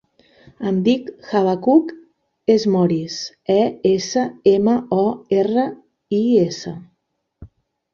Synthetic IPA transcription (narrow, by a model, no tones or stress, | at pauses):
əmd̪ikxaβakuk | ezmɔɾis | ɛesəeməɔerə | iesə̰